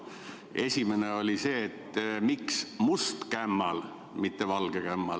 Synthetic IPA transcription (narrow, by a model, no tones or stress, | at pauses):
e̞sʲime̞neo̞lʲise̞ːt̪ːmiksmust̪kæmːɑl | mit̪ːe̞vɑlɡ̥ekæmːɑl